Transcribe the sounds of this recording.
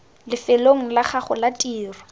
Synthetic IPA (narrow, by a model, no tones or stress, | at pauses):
lɪfɛloŋ̩laχaχʊlatʼiːrɔ